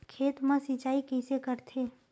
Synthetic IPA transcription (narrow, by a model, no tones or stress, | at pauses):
kʰeːt̪mãsit͡ʃaːikɛsekəɾt̪ʰeː